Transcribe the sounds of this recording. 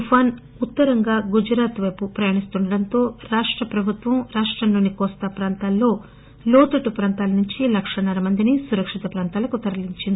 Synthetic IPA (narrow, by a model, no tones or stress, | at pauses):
upʰaːn | ut̪ːɐɾɐŋɡaːɡud͡ʒɾaːt̪ʋɐjpupɾɐjaːɳist̪uɳɖɐɽɐnt̪o̞ːɾaːʂʈɾɐpɾɐbʱut̪ʋɐmɾaːʂʈɾɐmlo̞ːnikɔːst̪ɐpɾaːnt̪aːlːo̞ː | loːt̪ɐʈupɾaːnt̪aːlɐnuɲt͡ʃilɐkʂɐnɐɾɐmɐnd̪inisuɾɐkʂit̪ɐpɾaːnt̪aːlɐkut̪ɐɾɐliɲt͡ʃind̪ii